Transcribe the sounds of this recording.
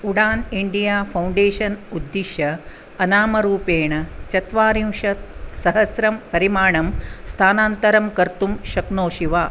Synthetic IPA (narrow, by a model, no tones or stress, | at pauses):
uɽaːniɳɖijaːpʰɐwɳɖeːʂɐnud̪ːiʃjɐ | ɐnaːmɐɾuːpeːɳɐt͡ʃɐt̪ʋaːɾimʃɐsɐɦɐsɾɐmpɐɾimaːɳɐmst̪ʰaːnaːnt̪ɐɾɐmkɐɾt̪umʃɐknoːʃiʋaː